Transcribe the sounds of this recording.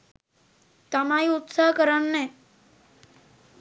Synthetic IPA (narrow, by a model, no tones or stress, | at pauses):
t̪əmaiʊt̪saɦkəɾənːe